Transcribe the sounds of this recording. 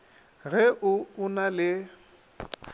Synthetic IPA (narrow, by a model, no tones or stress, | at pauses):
ɣɛʔʊʊnalɪ